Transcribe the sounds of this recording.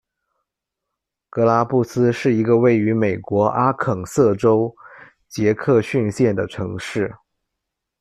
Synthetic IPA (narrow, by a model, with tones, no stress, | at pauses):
kɤ˧˥la˥pu˥˩sɹ̩˥ʂɻ̩˥˩i˧˥ɡə˧we˥˩ɪy˧˥me˨˩ɪkwɔ˧˥ʔa˥kʰɤ˨˩ŋsɤ˥˩ʈ͡ʂo˥ʊ | t͡ɕjɛ˧˥kʰɤ˥˧ɕy˥˧nɕjɛ˥˩nd̪ə˩ʈ͡ʂʰɤ˧˥ŋʂɻ̩˥˩